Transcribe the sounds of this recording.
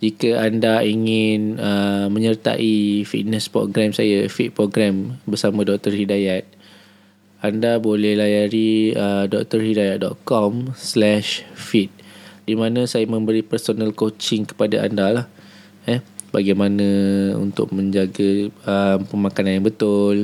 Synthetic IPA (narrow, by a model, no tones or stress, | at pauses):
d͡ʒikaandaiŋɪnəmə̃ɲərt̪a̰ʔifḭt̪̚nəspɾo̰ɡɾamsajafit̪̚pɾoɡɾambərsamãdɔk̚t̪ərhidajat̪̚ | andabolɛhlajaɾiədɔk̚t̪ərhidajat̪̚dɔt̪̚kɔmslɛʃfit̪̚dimãnãsajamə̃mbəɾipərsonalkot͡ʃɪŋkə̥padaa̰ndalah | ɛbaɡajmanãṵnt̪ʊ̰k̚mə̃ɲd͡ʒaɡaəmpəmãkananjaŋbət̪ʊl